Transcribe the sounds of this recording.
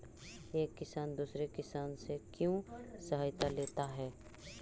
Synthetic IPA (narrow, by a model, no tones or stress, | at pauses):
eːkːɪsaːnd̪uːsɾekɪsaːnsekjõsɐɦaːjt̪aleːt̪aɦɛː